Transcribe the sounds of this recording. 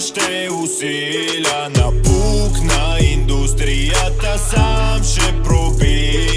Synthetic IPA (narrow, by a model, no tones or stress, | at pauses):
ʃt̪ɛ | use | lanapuknaind̪ust̪ɾijat̪asamʃɛpɾopi